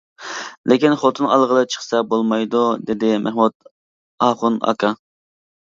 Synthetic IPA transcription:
lʔɪkʲinχot̪ʰɨnɑlˠʁəlˠɨt͡ʃʰə̥χsɛbolˠmɑjd̪ud̪ed̪ɪmʔæ̰ɦmud̪̚ | ɑχunɑ̰kʰɑ

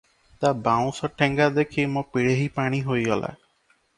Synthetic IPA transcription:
t̪abaw̃sɔʈʰɛŋɡad̪ekʰimõpiɽeɦipaɽ̃iɦojɡɔla̰

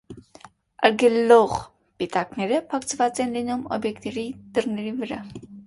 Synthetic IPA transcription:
ə̰ɾɡɛlːɔʁ | pit̪ɑknɛɾəpʰɑkt͡sʰvɑt͡sɛnlinumɔ̰bjɛkt̪ɛɾid̪̥ərnɛɾivəɾɑ

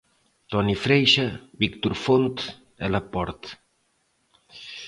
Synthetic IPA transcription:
t̪ɔnifɾɛjʃabikt̪uɾfont̪ | ɛ̰lapɔɾt̪

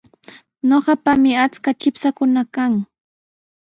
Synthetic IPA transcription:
ɲoɢɑpamɪat͡skat͡ʃɪpsakʊnakaŋ

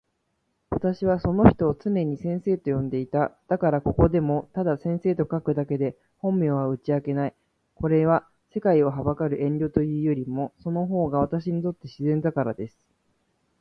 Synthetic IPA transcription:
βat̪aɕiβaso̞no̞çi̥t̪o̞ːt͡sɨne̞ɲ̟isẽ̞ɰ̃se̞ːt̪o̞jõ̞nd̪e̞it̪ad̪̥akaɾako̞ko̞d̪e̞mo̞t̪ad̪asẽ̞ɰ̃se̞ːt̪o̞kakɯ̟d̪ake̞d̪e̞ | hõ̞mmʲjoːβaɯ̟t͡ɕiake̞nai | ko̞ɾe̞β̞a | se̞kaio̞ɦabakaɾɯ̟ʔẽ̞nɾʲo̞t̪o̞jɯ̟ːjo̞ɾʲimo̞so̞no̞ɦo̞ːɡaβat̪aɕiɲit̪o̞t̪ːe̞ɕizẽ̞nd̪akaɾa̰d̪e̞sɨ̥

